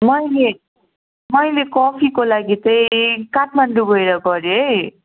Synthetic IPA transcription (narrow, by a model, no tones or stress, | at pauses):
mʌjle | mʌjlekʌpʰikolaɡit͡sʌjkaʈʰmaɳɖubʱʌjɾʌɡʌɾjoɦʌj